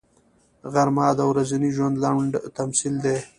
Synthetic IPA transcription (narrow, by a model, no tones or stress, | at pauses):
ɣaɾmɑːd̪awɾazaniʒwand̪laɳɖt̪amsild̪e